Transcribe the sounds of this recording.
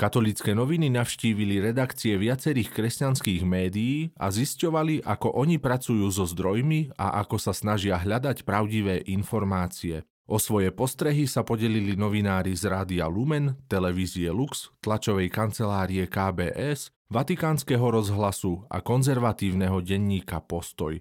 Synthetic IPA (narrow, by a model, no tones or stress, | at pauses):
kat̪ɔlit͡skɛnɔʋininaʊʃciːʋiliɾɛd̪akt͡siɛʋɪat͡sɛɾiːxkɾɛscanskiːɣmɛːd̪ijiːa̰ziscɔʋaliʔakɔʔɔɲipɾat͡sujuːzɔzd̪ɾɔjmia̰ʔakɔsasnaʒɪaɦʎad̪acpɾaʊɟiʋɛːʔinfɔɾmaːt͡siɛ | ʔɔsʋɔjɛpɔst̪ɾɛɦisapɔɟɛlilinɔʋinaːɾizɾaːd̪ialumɛnt̪ɛlɛʋiːziɛlukst̪lat͡ʃɔʋɛjkant͡sɛlaːɾiɛkaːbɛ̰ːʔɛz | ʋat̪ikaːnskɛːɦɔɾɔzɦlasua̰kɔnzɛɾʋat̪iːʊnɛɦɔɟɛɲːiːkapɔst̪ɔ̰j